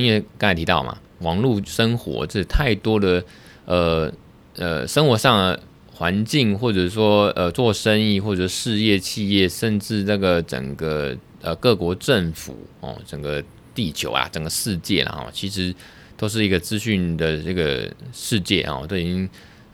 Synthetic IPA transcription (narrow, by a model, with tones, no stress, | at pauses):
i˥nwkɑ˥ŋt͡st̪ʰi˧˥t̪ɑ˥˩ʊmʔa̰˨˩ | wɑ˧˥ŋlu˥˩ʂə˥nxwɔ̰˧˥ʈ͡ʂə˥˩˧t̪ʰa˥˩ɪt̪wɔ˥d̪ə˨ | ə˨˩ | ə̰˨˩ʂə˥nxwɔ˧˥ʂɑ˥˩ŋə˩ | xwa˧˦˥nt͡ɕi˥˧ŋxwɔ˥˩ʈ͡ʂə˨˩˥ʂwɔ˥ə˧t͡swɔ˥˧ʂə˥ni˥˧xwɔ˥˩ʈ͡ʂə˩ʂʂɻ̩˥˧jɛ˥˧t͡ɕʰi˥˧jɛ˥˩ʂə˥˧nʈ͡ʂɻ̩˥˧na˥˩ɡə˩ʈ͡ʂə̰˨˩ŋɡə˦ | ə˨kɤ˥˩kwɔ˧˥ʈ͡ʂə˥˩ŋfṵ˨˩˦ɔ̰˨˩ʈ͡ʂə˨˩ŋɡə˦ | t̪i˥˩t͡ɕʰjo̰˧˥ʊla̰˨ʈ͡ʂə˨˩ŋɡə˩ʂɻ̩˥˧t͡ɕjɛ˥˩la̰˨˩xɔ̰˥˩t͡ɕʰi˧˥ʂɻ̩˧˥ | t̪o˥ʊʂ̬̩˥˩i˧˥ɡə˧t͡sɹ̩˥ɕy˥˩nd̪ə˩ʈ͡ʂə˥˩ɡə̰˩ʂɻ̩˥˧t͡ɕjɛ̰˥˩ɑ̰˥˨˩t̪o˥ʊi˨t͡ɕi˥ŋ